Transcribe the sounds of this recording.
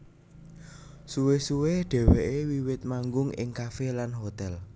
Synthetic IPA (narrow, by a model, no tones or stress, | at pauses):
suwesuweɖ̥ɛ̤wɛʔewiwɪt̪̚maŋɡʊŋɪ̰ŋkafelanɦot̪ɛl